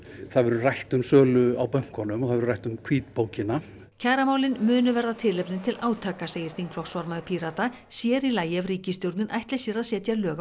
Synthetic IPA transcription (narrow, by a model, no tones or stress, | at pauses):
θaðvɛɾʏrajht̪ʏmsœːlʏawpœŋ̥kʰɔnʏmɔθaðɛɾrajht̪ʏmkʰviːt̪poːwcɪna | cʰaːɾamaːwlɪnmʏːnʏvɛɾðat̪ʰɪlːɛpnɪnt̪ʰɪlaːwt̪ʰaːkaseːjɪɾ̥θiŋkʰlɔxsvaɾmaðʏpʰiɾat̪a | sjɛɾilaːjɛvriːcɪst̪jowɾt̪nɪnʔajht̪lɛsjɛɾaðsjɛːt̪jaɾlœːɣa